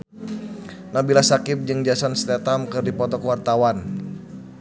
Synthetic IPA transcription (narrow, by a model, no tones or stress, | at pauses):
nabilasakɪp̚d͡ʒɨŋd͡ʒasanst̪ɛt̪amkɨrdipɔt̪ɔkəwart̪awan